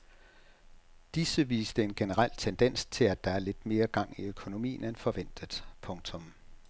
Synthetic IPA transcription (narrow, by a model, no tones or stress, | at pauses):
d̥isəʋḭːsd̥əe̝nɡ̥enəʁal̰t͡sʰend̥en̰st͡sʰe̝læd̥ɑ̈æɐle̝d̥me̝ːɐɡ̥ɑ̈ŋ̰iøkʰo̝no̝mḭːn̩enfɒ̽ʋen̰d̥ð̩ˠpʰɔ̽ŋt͡sʰɔ̽m